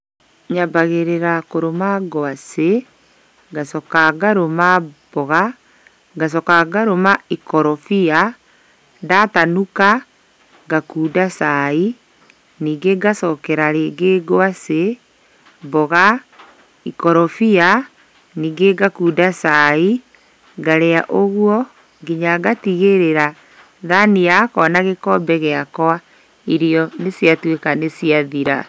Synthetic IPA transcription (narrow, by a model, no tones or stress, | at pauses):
ɲabaɣeɾeɾakoɾomaɡoase | ɡasɔkaɡaɾomab̥ɔɣa | ɡas̬ɔkaɡaɾomaikɔɾɔfia | datanuka | ɡakuːdasai | niːɡeɡasɔkɛɾaɾeɡeɡoase | bɔɣa | ikɔɾɔfia | niːɡeɡakuːdasai | ɡaɾɛaʔoɣuɔ | ɡeɲaɡatiɣeɾeɾa | ðaniakɔnaɣekɔbɛɣeakɔa | iɾiɔnesjatwekanesiaðiɾa̰